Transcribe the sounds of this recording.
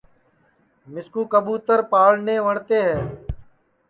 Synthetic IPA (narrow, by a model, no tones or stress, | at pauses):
mɪskuːkəbuːt̪əɾpaːɭneːʋəɳt̪eːɦɛː